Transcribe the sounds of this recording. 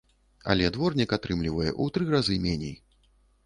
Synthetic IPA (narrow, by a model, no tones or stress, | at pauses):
a̰lʲɛd̪vɔrnʲikat̪ɾɨmlʲivɐjɛ̰ʔut̪ɾɨrazɨmʲɛnʲej